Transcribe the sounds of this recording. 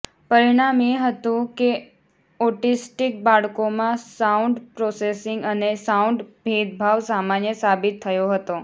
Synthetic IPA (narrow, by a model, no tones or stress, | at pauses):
pəɾiɽ̃ameɦət̪ũke | ɔʈisʈik̚baɭkomãsauɳɖpɾɔsesɪŋɡənesauɳɖbʱid̪̚bʱaʋsamanjəsabit̪ʰːəjoɦət̪o